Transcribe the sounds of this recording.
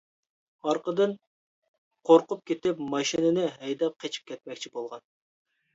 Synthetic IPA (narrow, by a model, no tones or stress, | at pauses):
ɑɾqʰəd̪ɨn | qʰoɾqʊp̚kʲʰet̪ɪpmɑʃinɨnɨɦɛjd̪ɑp̚qʰet͡ʃʰi̥p̚kʲʰɛt̪̚mɛkʲt͡ʃʰibolˠʁɑn